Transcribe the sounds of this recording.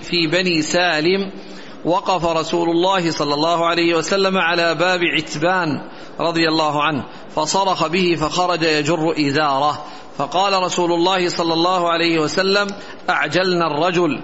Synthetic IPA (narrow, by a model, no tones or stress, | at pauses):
fiːbaniːsaːlɪm | wɑqɑfaɾˤɑsuːlʊlˤːɑːhɪsˤɑlːɑlˤːɑːhʊʕalajhɪwasalːamaʕalaːbaːbɪʕɪt̪baːn | ɾˤɑd̪ˤɨjalːaːɦʊʕanh | fɑsˤɑɾˤɑxɑbɪhɪfaxɑɾˤɑd͡ʒajad͡ʒʊrːʊʔɪzɑːɾˤɑ | fɑqɑːlaɾˤɑsuːlʊlˤːɑːhɪsˤɑlːɑlːɑːhʊʕalajhɪwasalːam | ʔaʕd͡ʒalnarˤːɑd͡ʒʊl